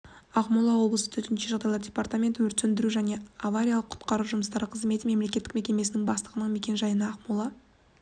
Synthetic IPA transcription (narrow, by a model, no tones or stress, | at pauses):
ɑqmulˠɑwo̞blˠəsə̥t̪ʰɵt̪ɪnʃeʒɑʁd̪ɑjlˠɑɾdʲe̞part̪amʲe̞nt̪wɵɾt̪ɵnd̪ɪɾuʒæne̞avaɾʲijalˠəqʰʊ̥t̪qɑɾuwʒʊməst̪ɑɾəqʰəzme̞t̪ɪme̞mle̞k̬ʲe̞t̪ːɪkme̞kʲe̞me̞sɪnɪŋbɑst̪əʁənəɴme̞kʲe̞nʒɑjənəɑqmulˠɑ